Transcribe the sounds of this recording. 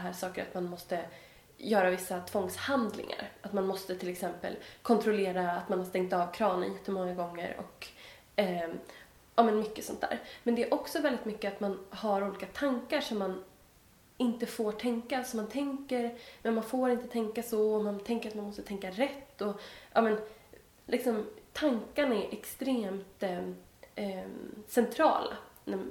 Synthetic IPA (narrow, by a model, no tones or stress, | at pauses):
d̪ɦæːʂɑːkəɾa̰t̪manmɔst̪ə | jœːɾavɪsːat̪ʰvɔŋshand̪lɪ̰ŋa̰ɾat̪manmɔst̪ət̪ʰɪlɛksɛmpə̰lkʰɔnt̪ʰɾʊleːɾaːt̪manhaɾʂt̪ɛŋkt̪ɑːvkʰɾɑːnə̰njɛt̪ʰːəmɔŋːaɡɔŋːə̰ɾɔ̰kː | ʔɑːmɛnmʏkːəsɔnt̪̚d̪æ̰ːɾmɛnd̪ɛæɾʔɔksɔvɛld̪ɪt̪mʏkːəat̪manhaɾuːliːkat̪ʰaŋkaʂɔmːan | ɪnt̪əfoːʈʰɛŋkasɔmːant̪ʰɛŋkəɾmɛnmanfoːɾɪnt̪ət̪ʰɛŋkasɔɔmant̪ʰɛŋkəɾat̪manmɔst̪ət̪ʰɛŋkːaɾɛt̪ːɔʔɑ̰ːmɛn | lʔɪksɔmt̪ʰaŋkanæɾʔɛkst̪ɾeːmt̪ | sɛnt̪ʰɾɑ̰ːla̰næ